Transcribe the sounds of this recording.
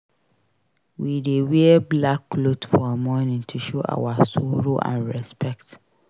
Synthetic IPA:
widewɛɛblakːlodfɔamɔnĩŋtʰuʃoʔa̰wasoɾoʔã̰nɹɛspʰɛkt

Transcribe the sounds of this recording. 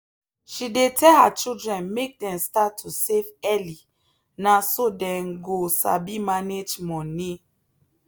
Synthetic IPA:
ʃidetʰɛlhat͡ʃildɹɛ̃nmek̚dɛ̃mstatʰːusevɛli | nasodɛ̃mɡosa̰bimaned͡ʒmɔ̃ni

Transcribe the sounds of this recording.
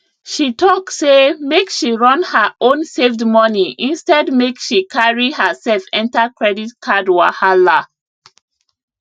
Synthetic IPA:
ʃitʰɔksemekʃiɹɔ̃nhəʔõnsevdmɔniʔĩnstɛdmekʃikʰaɹihəsɛlfɛ̃ntakɹɛditkʰadwahala

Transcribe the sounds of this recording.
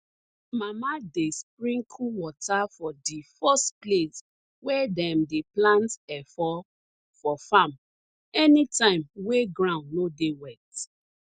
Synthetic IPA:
mamadespɹĩŋkʰuwɔtʰafɔdifɔstples | wɛdɛmdeplãntɛfɔ | fɔfãm | ɛnitãɪ̃mweɡɾãʊ̃nnodewɛt

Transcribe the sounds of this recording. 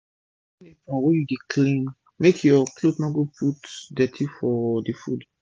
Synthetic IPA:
nẽfɔ̃wɛjudeklĩn | mekʰjɔklodmɔɡopʰutdɛtʰifɔdifṵd

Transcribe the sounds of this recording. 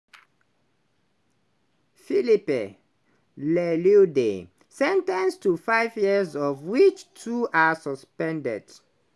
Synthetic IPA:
filipe | lɛlude | sɛ̃ntɛ̃nstufaɪvjizɔvwit͡ʃtʰuʔasɔspɛ̃ndɛ̰d̥

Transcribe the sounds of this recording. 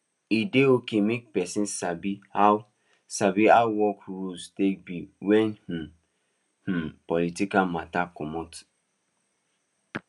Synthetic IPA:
ideokemek̚pɛsĩnsabihaw | sabiawwɔkɹustek̚biwɛ̃nh̩ | h̩pɔlitikalmatakɔmɔt

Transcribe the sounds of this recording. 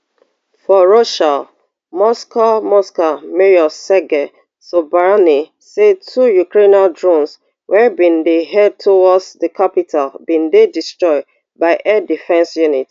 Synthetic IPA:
fɔɹoʃal | mɔskamɔskameɹiɔsɛɡɛ | sobaani | sedtʰujukɹenaldɹɔ̃ns | wɛbĩndeɦɛd̚tʰowɔdsðəkʰapitʰalbĩndedistɹɔɪd̚ | baɪʔɛdifɛ̃nsjunit

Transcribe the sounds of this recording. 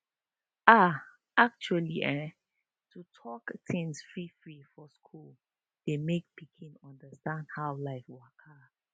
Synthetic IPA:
a | ak̚t͡ʃualiʔɛ̃ | tʰutʰɔktʰɪ̃ŋsfɹifɹifɔskʰul | d̥emek̚pikʰĩnʌ̃ndəstãndhaʊlaɪfwakʰa

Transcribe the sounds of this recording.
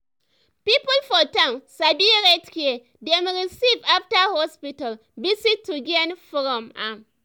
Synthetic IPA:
pipʊlfɔtãmsabieɾetkie | demɾisivaftahɔspital | bisitːuɡenfɔɾɔma̰m

